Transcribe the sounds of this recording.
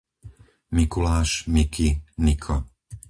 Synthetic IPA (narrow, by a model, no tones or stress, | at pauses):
mikulaːʃmikʰinikʰɔ